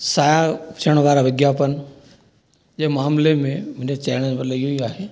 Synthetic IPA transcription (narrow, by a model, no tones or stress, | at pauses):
saːjat͡ʃʰəɽ̃ʋaːɾaʋɪɡjaːpən | d͡ʒeːmaːmlemẽmɪnet͡ɕaːɽ̃əmɐt̪ləbijoiaːɦeː